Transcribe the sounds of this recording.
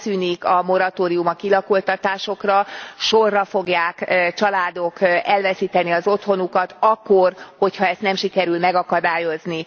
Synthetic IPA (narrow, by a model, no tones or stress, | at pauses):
syːnikɒmo̞ɾɒt̪oːɾijumɒkilɒkult̪ɒt̪aːʃo̞krɒʃo̞rːɒfo̞ɡjaːkt͡ʃɒlaːd̪o̞kɛlvɛsiːt̪ɛniɒzo̞t̪ho̞nukɒt̪ɒkːorho̞chɒɛst̪nɛmʃikɛɾylmɛɡɒkɒd̪aːjo̞zni